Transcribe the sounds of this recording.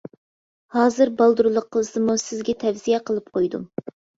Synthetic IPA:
hɑːzɨɾbɑlˠd̪uɾulˠʊqʰːəlˠɨsɨmusɪzɡʲɛt̪ʰɛfzijɛqəlˠɨp̚qʰojd̪ṵ

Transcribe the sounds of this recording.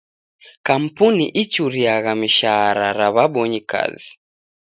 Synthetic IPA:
kam̩puniʔit͡ʃuɾiaɣamiʃaɾaɾaβaɓɔɲika̰zi

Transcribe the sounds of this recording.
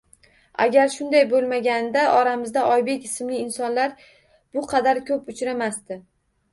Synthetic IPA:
a̰ɡʲaɾʃʊnd̪ajbolˠmaɡʲand̪aʔɒɾamɪzd̪aʔɒjbekʲɪsmlɪːnsɒnlaɾ | b̥ʊqʰɑd̪aɾkʰɵpʊt͡ʃʰɾamast̪ɪ

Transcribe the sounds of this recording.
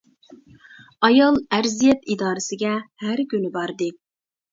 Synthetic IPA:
ɑjɑlˠæɾzijɛt̪id̪ɑːɾɨsɪɡʲɛhæɾkʲynɪbɑɾd̪ɨ

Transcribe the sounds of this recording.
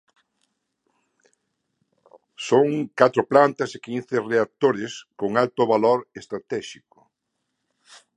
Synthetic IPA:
soŋkat̪ɾʊplant̪ɐsekinθereat̪oɾɪskoŋalt̪ʊβaloɾest̪ɾat̪ɛʃikʊ

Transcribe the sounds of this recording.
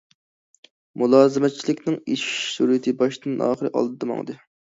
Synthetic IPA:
mulˠɑːzɨmɛt̪̚t͡ʃʰilɪkʲnɪŋiʃsuɾit̪ʰɨbɑʃd̪ɨnɑ̰ːχəɾɨʔɑ̰lˠd̪ɨd̪ɑmɑ̰ŋd̪ɨ

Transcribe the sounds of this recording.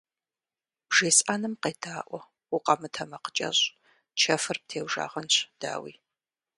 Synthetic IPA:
b̥ʒ̥eːsʼaːnɨmqeːdʰaːʔʷɔ | ʊqɐmɨtʰɐmɐqə̥t͡ʃʼɐ̰ɕ | t͡ʃʰɐfɨrp̚tʰeːwʒa̰ːʁɐnɕʷd̥a̰ːwḭː

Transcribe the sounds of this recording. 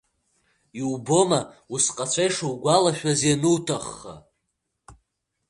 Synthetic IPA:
iubo̞mausqʼat͡ʃʷʰajʂuwɡʷalaʃᶣazanɨwtʰaχːa̰

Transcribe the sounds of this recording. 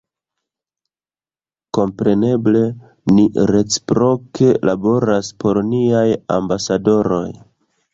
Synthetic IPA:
ko̞mpɾe̞ne̞ble̞ | niɾe̞t͡si̥pɾo̞kʰe̞lʔabo̞ɾaspo̞ɾniaja̰mbasado̞ɾo̞j

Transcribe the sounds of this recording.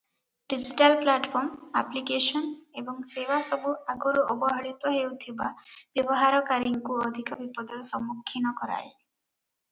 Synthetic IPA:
ɖid͡ʒiʈalplaʈpʰɔɾmaplikesɔnebɔŋsebasɔbuaɡɔɾuɔbɔɦɔɽit̪ɔɦewt̪ʰibab̥jɔbɔɦaɾɔkaɾiŋkuɔd̪ʱikɔbipɔd̪ɔɾusɔmːukʰːinɔkɔɾa̰j

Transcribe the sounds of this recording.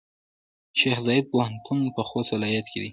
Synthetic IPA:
ʃexzɑjɪd̪̚pohant̪unpəxost̪wɪlɑjat̪ked̪i

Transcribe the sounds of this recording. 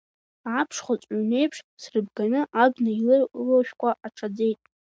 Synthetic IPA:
apʰʂχʷat͡sʷʼʕne̞jpʰʂsrɨbɡanɨʔabnailɨloʃᶣkʷʰʼaʔaʈ͡ʂʰad͡ze̞jtʼ

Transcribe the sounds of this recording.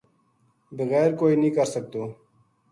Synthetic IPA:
bəɣɛːɾkoːiːnĩːkəɾsək̚d̪oː

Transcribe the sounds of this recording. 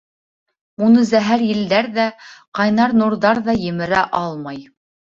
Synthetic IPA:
unɤzæɦæɾjɘ̆ld̪æɾðæqɑjnɑɾnuɾðɑɾðɑjɘ̆mɘ̆ɾæʔɑlˠmɑj

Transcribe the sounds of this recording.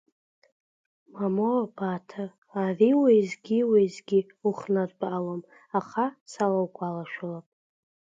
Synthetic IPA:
mamobatʰaː | viwejzɡʲiwezɡʲi | uχnadbaʔalom | aχasalawkʷʼalaʃᶣalapʼ

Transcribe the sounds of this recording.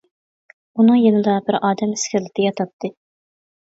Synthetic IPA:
unɨŋjenɨd̪ɑbɪɾɑːd̪ɛmɪskʲɪɾlɪt̪ʰɪjɑt̪ʰɑt̪ʰːɨ

